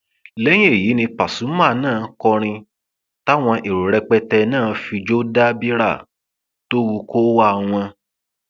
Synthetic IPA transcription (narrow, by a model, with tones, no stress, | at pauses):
lɛ˦j̃ĩ˦e˦˨ji˨˦nĩ˧pa˨sũ˨˦mã˦˨˧nãː˦˨kɔ˧ɾ̃ĩ˧ | ta˦w̃ɔ̃˧ʔe˨ɾu˨ɾɛ˧k͡pɛ˧tɛ˧nãː˦˨fi˧d͡ʒo˦da˦bi˦ɾa̰˦˨ | to˦wu˧ko˦wa˦˧w̃ɔ̃˧